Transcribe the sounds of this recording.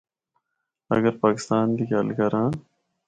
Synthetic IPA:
ɐ̰ɡəɾpaːkɪ̥st̪aːnd̪ikaːlkɐɾãː

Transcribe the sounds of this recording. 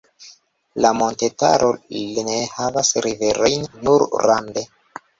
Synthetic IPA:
lamo̞nte̞ta̰ɾʔo̞linehavasɾive̞ɾo̞jnːuɾɾande̞

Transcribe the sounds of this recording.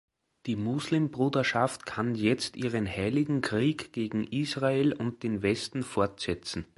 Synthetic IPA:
d̥iːmʊzlɪmbʁuːdɐʃaftkʰanjɛt͡stʔiːʁənhaɪlɪɡŋ̩kʁ̥iːkɡ̥eːɡŋ̩ʔiːsʁaelʊnt̚d̥eːnvɛstn̩fɔɐtsɛt͡sn̩

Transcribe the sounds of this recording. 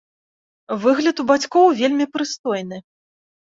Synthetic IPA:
vɨɣlʲɐt̪ubat͡sʲkɔwvʲelʲmʲipɾɨst̪ɔjnɨ

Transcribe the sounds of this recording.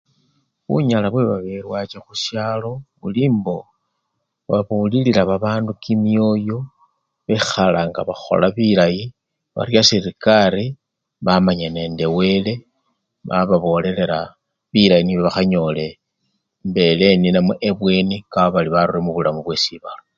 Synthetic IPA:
βṵɲalaβwe̞βaβeɾwat͡ʃaxuʃjaːlo̞βuliːmbo̞ | βaβulililaβaβaːndukimijo̞jo̞ | βexalaŋɡaβaxo̞̰laβilaji | βa̰rjasiɾikaɾi | βamaɲane̞nde̞we̞le̞ | βaβaβo̞le̞le̞ɾa | βiɾajiniβo̞βaxaɲo̞le̞ | mbe̞le̞ninamweʔeβwe̞niɡaoβaliβaɾuremuβulamuβwe̞siβalo

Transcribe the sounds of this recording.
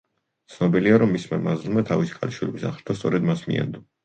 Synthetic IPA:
t̪sʰnɔbiliaɾɔmːismamazlˠmat̪ʰavisi̥kʼa̰liʃwilɛbisa̰χʃt̪ʰast̪sʼɔɾɛd̪masmḭɛ̰nd̪ɔ

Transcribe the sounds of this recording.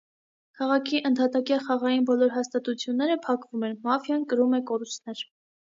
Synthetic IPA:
kʰɑʁɑkʰiʔənt̪ʰhɑt̪ɑkjɑχɑʁɑjinbɔlɔɾɦɑst̪ɑt̪ut͡sʰjunːɛɾəpʰɑkvumɛnmɑfjɑnkəɾumɛkɔɾust̪nɛɾ

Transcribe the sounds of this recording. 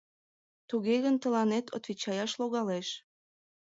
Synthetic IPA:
t̪uɣeɣənt̪əlɑnet̪ʰo̰t̪vit͡ɕɑjɑʃloɣɑleʃ

